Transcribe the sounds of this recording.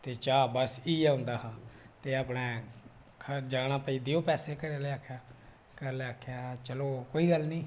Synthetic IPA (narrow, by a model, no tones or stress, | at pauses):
t̪eːt͡ʃaːbəsiːaʊnd̪aːɦaːt̪eːaːpneː | kʰəd͡ʒaːɽ̃aːpəiːd̪eːoːpɛːseːkəɾeːleaːkʰjaː | kəɾleːaːkʰjaːt͡ʃəloːkoːiːɡəlnĩː